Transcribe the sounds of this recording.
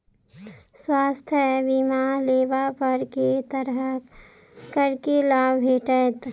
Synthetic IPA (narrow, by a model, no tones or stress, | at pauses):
swaːst̪ʰjɛbimaleːbapəɾket̪əɾɦə | kəɾkelaːbbʱeːʈət̪